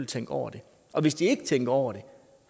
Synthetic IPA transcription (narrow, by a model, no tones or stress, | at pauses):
l̰t͡sʰeŋ̰ɡ̥ɒʊ̰ɐd̥e̝ | ʔɒ̽ʋe̝sd̥ie̝ɡ̥ət͡sʰeŋ̰ɡ̥ɐɒʊɐɾ̥e̝